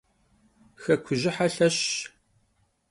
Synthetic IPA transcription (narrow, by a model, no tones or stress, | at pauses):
xɐkʷʰʊʑɪħaɬɐɕ